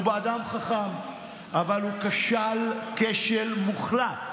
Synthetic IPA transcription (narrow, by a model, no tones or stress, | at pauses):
ubeadamχaχam | ʔavalukaʃalkeʃelmuχlat